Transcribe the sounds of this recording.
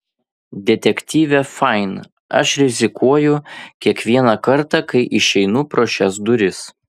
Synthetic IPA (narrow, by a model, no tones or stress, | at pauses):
d̪ʲɛt̪ʲɛkʲt̪ʲiːʋʲɛfɑɪn | ʔɐ̰ʃɾʲɪzʲɪkuɔjʊkʲiɛkʋʲiɛnɑkɐɾt̪ɑkɐɪʔɪʃʲɛɪnuːpɾoːʃʲɛsd̪ʊɾʲɪs